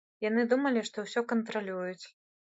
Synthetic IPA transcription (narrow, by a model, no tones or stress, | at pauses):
janɨd̪umɐlʲiʂt̪ɔwsʲɔkɐnt̪ɾalʲujut͡sʲ